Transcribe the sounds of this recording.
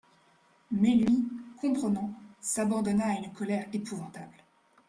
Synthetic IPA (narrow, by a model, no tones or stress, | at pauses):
mɛlɥikɔ̃pχənɑ̃sabɑ̃d̪ɔnaːynkʰɔlɛʁepuvɑ̃t̪abl